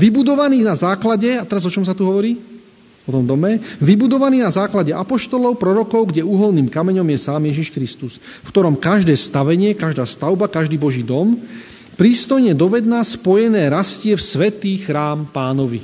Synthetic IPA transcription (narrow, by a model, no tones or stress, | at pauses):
ʋibud̪ɔʋaniːnazaːklaɟɛat̪ɛɾazɔt͡ʃɔmsat̪uɦɔʋɔɾiː | ɔt̪ɔmd̪ɔmɛʋibud̪ɔʋaniːnazaːklaɟɛʔapɔʃt̪ɔlɔʊpɾɔɾɔkɔʊɡɟɛuːɦɔlniːmkamɛɲɔmjɛsaːmjɛʒiʃkɾist̪us | fkt̪ɔɾɔmkaʒd̪ɛːst̪aʋɛɲɪɛkaʒd̪aːst̪aʊbakaʒd̪iːbɔʒiːd̪ɔm | pɾiːst̪ɔjɲɛd̪ɔʋɛd̪̚naspɔjɛnɛːɾascɪɛfsʋɛt̪iːxɾaːmpaːnɔʋḭ